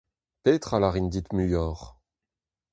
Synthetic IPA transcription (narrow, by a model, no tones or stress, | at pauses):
peːt̪χalaʁind̪it̪myjɔːʁ